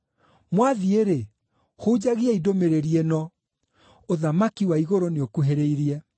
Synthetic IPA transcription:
mwaðieɾe | houd͡ʑaɣiaidomeɾeɾienɔ | oðamakiwaiɣoɾoneokuɦeɾeiɾiɛ

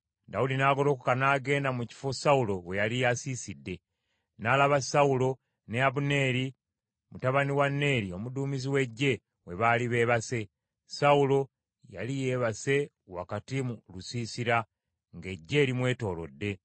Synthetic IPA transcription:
daudinaːɡo̞lo̞ːkukanaːɡe̞ːndamuci̥fo̞saulo̞we̞jalijasiːsidːe̞ | nalaβasaulo̞ | ne̞aβune̞ːɾi | mutaβaniwanːe̞ːɾio̞muduːmiziwe̞ɟːe̞ | we̞βaliβe̞ːβase̞ | saulo̞ | ja̰lije̞ːβase̞ | wa̰katimulusiːsiɾa | ŋɡe̞ɟːe̞ːɾimwe̞ːto̞ːlo̞̰dːe̞

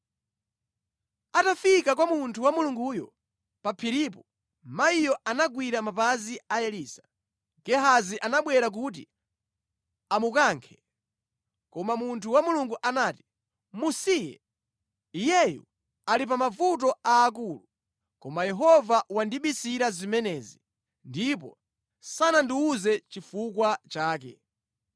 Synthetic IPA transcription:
atafikakwamuntʰuwamuluŋɡuːjɔ̰ | papʰiɾipɔ | maijɔʔanaɡwiɾamapaziajɛliːsḁ | ɡɛɦaziʔanaɓwɛɾak̬ut̬ḭ | amukaːŋkʰɛ̥ | kɔmamuntʰuwamuluŋɡuʔanaːti̥ | musijɛ̰ | ijɛjṵ | alip̬amavut̬ɔaːk̬uːlu | kɔmajɛɦɔvawandiɓisiɾazimɛnɛːzi | ndip̬ɔ̰ | sanandiuzɛt͡ʃifukwat͡ʃaːkɛ̰

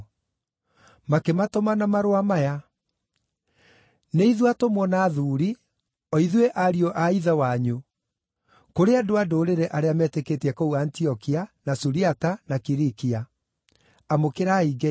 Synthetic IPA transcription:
makematomanamaɾwamaja | neiðwatomwɔnaːðuːɾi | ɔiðweʔaɾiɔʔaiðawaɲo | koɾeadoadoːɾeɾɛʔaɾeamɛteketɛkouantiɔkianasuɾiatanakiɾikia | amokeɾaiɡɛ

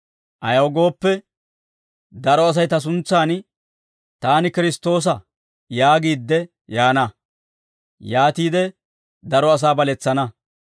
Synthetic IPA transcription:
ʔɐjɐwɡo̞ːpːɛ | d̪ɐɾɔɐs̬ɐjt̪ɐs̬ʊnt͡sːaːn | t̪aːnɪkɪɾɪst̪o̞ːs̬ɐ | jaːɡiːd̪ːɛ | jaːnɐ | jaːt̪iːd̪ɛ | d̪ɐɾɔɐs̬aːbɐlɛt͡sːɐnɐ

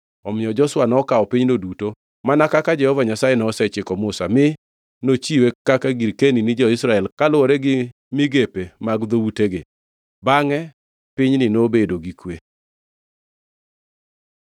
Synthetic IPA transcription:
ɔmɪɔd͡ʒɔswanɔkaɔpiɲnoduto | manakakad͡ʒɛhɔvaɲasajenɔːsɛt͡ʃɪkɔmʊsamɪ | not͡ʃiwekakaɡiɾkeninɪd͡ʒɔɪsɾaɛlkalʊoɾɛɡɪ | mɪɡepemaɡd̪owuteɡɪ | baŋɛ | pɪɲnɪnobedoɡikwe

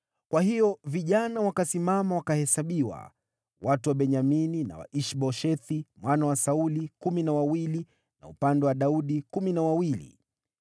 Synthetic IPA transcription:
kwahijɔviʄanawakasimamawakahɛsaɓiwa̰ | watuwaɓɛɲaminina̰wa̰ʔiʃɓɔʃɛθimwanawasaulikuminawawili | na̰ṵpandɛwaɗauɗikuminawawilḭ

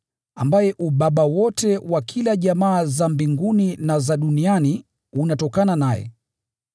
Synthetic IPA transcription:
ambajɛʔuɓaɓawɔtɛwakʰilaʄamaːzambiŋɡuninazaɗuniani | unatɔkananajɛ̰

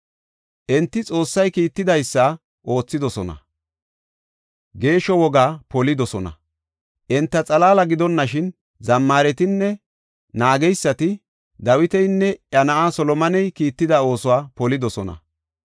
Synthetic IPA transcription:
ʔɛnt̪ːɪt͡sʼo̞ːsːɐjkiːt̪ːɪd̪ɐjsːɐ | ʔo̞ːt͡sːɪd̪ɔsɔnɐ̰ | ɡe̞ːʃɔwɔɡaːpɔlɪd̪ɔsɔnɐ̰ | ʔɛnt̪ːɐt͡sʼɐlaːlɐɡɪd̪ɔnːɐʃɪn | zɐmːaːɾɛt̪ɪnːɛ | naːɡɛjsːɐt̪ɪ | d̪ɐwɪt̪ɛjnːɛʔɐnɐʔaːsɔlɔmɐnɛjkiːt̪ːɪd̪ɐo̞ːsʊwaːpɔlɪd̪ɔsɔnɐ̰

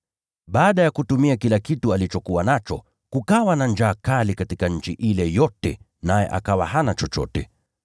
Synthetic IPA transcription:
ɓaːɗajakutumiakilakitualit͡ʃɔkuwanat͡ʃɔ̰ | kukawanand͡ʒaːkalikatikaɲ̩t͡ʃiʔilɛjɔtɛ̰ | najɛ̰ʔa̰kawahanat͡ʃɔt͡ʃɔ̰tɛ

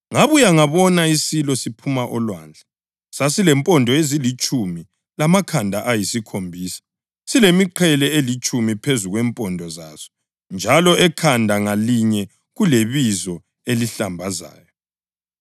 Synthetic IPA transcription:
ŋaβujaŋaβɔnaisilɔsipʰumaʔɔlwa̰ːnd͡ɮʱa | sasilɛmpʼɔndʱɔezilit͡ʃʼumi | lamakʰandʱaʔajisikʰombʱiːsḁ | silemiǃʰɛlɛelit͡ʃʼumipʰezuɣwɛmpʼɔndʱɔza̰z̥ɔ̥ | nd͡ʒʱalɔɛkʰandʱaŋaliɲɛ | ɣuleβizɔ | eliɬambʱaza̰ːjɔ

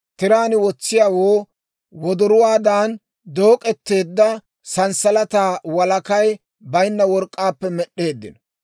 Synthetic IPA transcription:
t̪ɪɾaːnɪwɔt͡sːɪjaːwoː | wɔd̪ɔɾʊwaːd̪aːn | d̪oːkʼɛt̪ːe̞ːd̪ːɐ | sɐnsɐlɐt̪aːwɐlɐkɐj | bɐjnːɐwɔɾkʼːaːpːɛmɛɗe̞ːd̪ːɪ̰nɔ

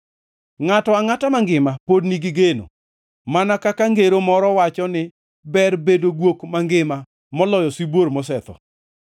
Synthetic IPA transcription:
ŋatɔaŋatamaŋɡɪmapodniɡɪɡeno̰ | manakakaŋɡeɾomɔɾɔwat͡ʃɔnɪ | bɛrbedoɡwokmaŋɡɪma | mɔlɔjɔsibwoɾmɔsɛt̪ɔ̰

